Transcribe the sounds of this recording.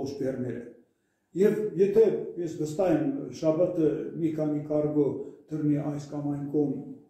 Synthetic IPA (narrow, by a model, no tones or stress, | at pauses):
əʃbeɾned̪ | jevjet̪ebesbəst̪ɑjəmʃɑbət̪əmikʰɑnikʰɑɾɡot̪ʰəɾneʔɑjskɑmɑjnkʰom